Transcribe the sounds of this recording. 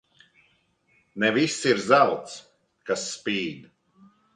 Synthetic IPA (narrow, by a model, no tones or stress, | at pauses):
nɛvisiɾzawt̪s | kasːpiːd̪